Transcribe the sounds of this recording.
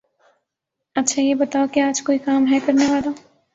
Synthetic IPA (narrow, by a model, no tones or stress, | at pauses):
ɐtːʃʰajebɐt̪aːokiaːd͡ʒkoːikaːmɦɛkɐɾneʋaːla